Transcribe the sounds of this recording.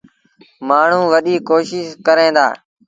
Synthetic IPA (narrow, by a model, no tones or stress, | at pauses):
maːɳ̤ũːʋəɗiːkoːʃɪʃkəɾẽːd̪a̰ː